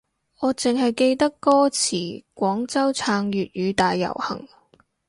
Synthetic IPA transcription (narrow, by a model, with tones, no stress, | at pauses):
ŋɔː˨˧t͡sɪ˨ŋhɐ˨jke˧jt̪ɐ˥kːɔː˥t͡sʰiː˨˩kʷɔː˨˥ŋt͡sɐ˥wt͡sʰaː˧ŋɥyː˨t̚ɥyː˨˧t̪aː˨jːɐ̰˨˩whɐ̰˨˩ŋ